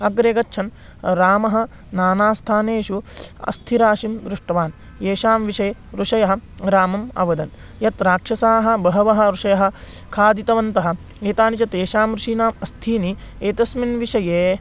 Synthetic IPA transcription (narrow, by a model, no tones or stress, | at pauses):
ɐɡɾeːɡɐtːʃʰɐn | ɾaːmɐɦɐ̆ | naːnaːst̪ʰaːneːʃuɐ̰st̪ʰiɾaːʃimd̪ɾuʂʈɐʋaːn | eːʃaːmʋiʂɐjeɾuʂɐjɐɦɐ̆ | ɾaːmɐmɐ̰ʋɐd̪ɐn | jɐt̪ɾaːkʂɐsaːɦɐ̆bɐɦɐʋɐɦɐ̆ɾuʂɐjɐɦɐ̆ | kʰaːd̪it̪ɐʋɐnt̪ɐɦɐ̆ | eːt̪aːnit͡ʃɐt̪eːʃaːmɾuʂiːnaːmɐst̪ʰiːni | eːt̪ɐsminʋiʃɐjeː